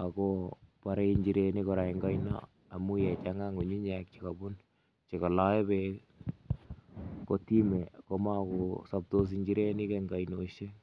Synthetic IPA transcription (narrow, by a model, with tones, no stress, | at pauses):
a˨kopaɾe˦i˦ɲd͡ʒi˨ɾeni˦koɾa˨iŋɡa˦jnɔ̰˦ | a˨mu˦jɛ˨t͡ʃaŋa˦ŋu˨ɲi˦ɲɛ˨k̚t͡ʃika˨bu˦n | t͡ʃi˨kɔ˨la˦e˦be | ko˨ti˦me˨koma˦ko˨sa˨p̚to˦s̬i˨ɲd͡ʒiɾe˦ni˦keŋɡa˨inoʃe˦